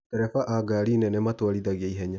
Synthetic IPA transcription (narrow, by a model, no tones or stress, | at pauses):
kɛɾɛfaʔaɡaɾinɛnɛmatwaɾiðaɣeaiɦɛɲa